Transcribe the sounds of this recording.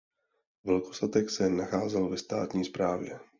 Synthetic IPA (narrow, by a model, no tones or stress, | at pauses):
vɛlko̞sat̪ɛksɛnaxaːzɛlvɛst̪a̰ːt̪ɲiːspɾaːvjɛ̰